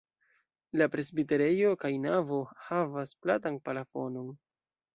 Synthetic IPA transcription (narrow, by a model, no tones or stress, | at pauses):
lapɾe̞sbite̞ɾe̞jo̞kajnavo̞havasplatanpalafo̞no̞n